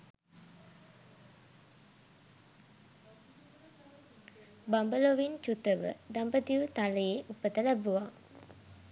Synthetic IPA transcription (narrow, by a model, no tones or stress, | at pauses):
bambəloʋint͡ʃut̪əʋə̰d̪ambəd̪iʋut̪aləjeʔupət̪əlæbuʋa